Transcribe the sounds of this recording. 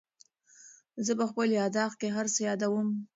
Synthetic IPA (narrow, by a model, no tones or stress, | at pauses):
zəpəxpəljɑd̪ɑxkeɦaɾsəjɑd̪awəm